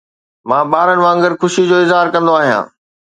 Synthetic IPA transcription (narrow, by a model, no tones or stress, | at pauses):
mãːɓaːɾəɽ̃ɪ̆ʋãːə̃ŋɡəɾxʊʃid͡ʑoːɪzɦaːɾkɐ̃nd̪oaːɦijã̰ː